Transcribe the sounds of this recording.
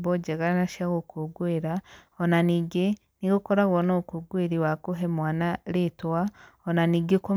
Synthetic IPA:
boɟeɣaɾnaʃaɣokuɡweɾaonaniɡe | niɡukoɾaɣonokuɡweɾiwakuɦemwaːnalitwaonaniɡeko

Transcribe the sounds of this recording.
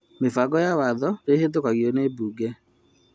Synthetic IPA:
mefaɡɔjawaðɔɾehet̬okaɣjɔnebuːɡɛ

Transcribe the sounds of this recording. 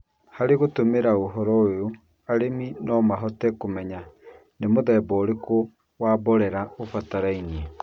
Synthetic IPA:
haɾeɣotomeɾaoɦɔɾɔojo | aɾeminɔmaɦɔtɛkomɛɲa | nemoðɛːbɔːɾeko | waːbɔɾɛɾaofataɾaiɲie

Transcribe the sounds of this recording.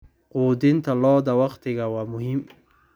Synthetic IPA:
quːd̪ɪnt̪ʰɐlɔːd̪ɐwɑqt̪ʰɪɣawaːmʊhim

